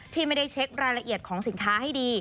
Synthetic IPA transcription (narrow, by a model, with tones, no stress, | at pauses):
t̪ʰiː˥˩ma˥˩jda˥˩jt͡ɕʰe˦˥k̚ɾaː˧jɾa˧ʔi˨˩ət̪̚kʰɔː˩˦ŋsi˨˩˦nkʰaː˦˥ɦa˥˩jdiː˧